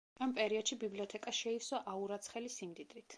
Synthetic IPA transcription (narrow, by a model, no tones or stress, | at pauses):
ampʼɛɾiɔd̪ʃibibliɔt̪ʰɛkʼaʃɛisɔʔauɾat̪sʰχɛlisimd̪id̪ɾit̪ʰ